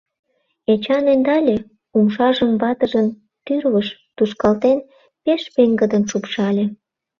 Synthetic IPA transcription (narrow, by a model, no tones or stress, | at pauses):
et͡ɕɑnend̪ɑlʲe | umʃɑʒəmβɑt̪əʒən | t̪yrβəʃt̪uʃkɑlt̪en | peʃpeŋɡəd̪ənʃupʃɑlʲe